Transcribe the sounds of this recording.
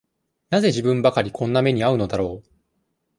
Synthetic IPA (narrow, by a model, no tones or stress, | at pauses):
naze̞ʑibɯ̟̃mbakaɾʲikʰõ̞nːame̞ɲ̟iaɯ̟no̞d̪aɾo̞ː